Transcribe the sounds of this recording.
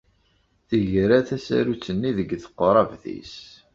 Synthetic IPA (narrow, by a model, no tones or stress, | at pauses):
θəʝɾaθæsæ̰ɾut͡sːənːiðəɡθə̥qːɾˤɑvθḭs